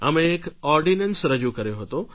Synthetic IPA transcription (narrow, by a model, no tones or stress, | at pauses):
ə̰mẽːkɔɾɖinənsɾəd͡ʒukəɾjoɦət̪o